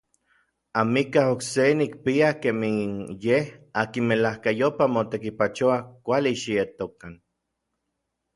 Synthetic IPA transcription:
amikaɦoksenik̚piakeminjehakinmelahkajopamot̪ekipat͡ʃoakʷaliʃiet̪okan

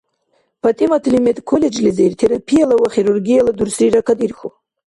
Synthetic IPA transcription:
pʰatʼimatʰlimet̪ʼkʰoled͡ʒlizeirt̪ʰeɾapʰijalawaχiɾurɡijaladuɾsriɾakʰadirxu

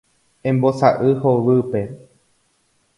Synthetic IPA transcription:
ẽmbosaʔɨhoʋɨpe̞

